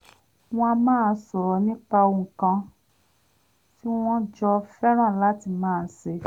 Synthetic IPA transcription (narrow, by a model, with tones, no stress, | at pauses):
w̃ɔ̃˦˧a˧mãː˦˧sɔ˨ɾɔ˨˦nĩ˦k͡pa˧o˧˨ŋ̩˨kã˧ | ti˦w̃ɔ̃˦d͡ʒɔ˧fɛ˦ɾ̃ã˦˨la˦ti˧˨mãː˦˨˧se˧